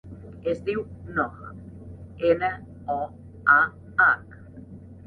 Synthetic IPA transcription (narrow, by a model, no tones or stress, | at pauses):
ezd̪iwnɔɣə̰ | ene | ɔ | a | ak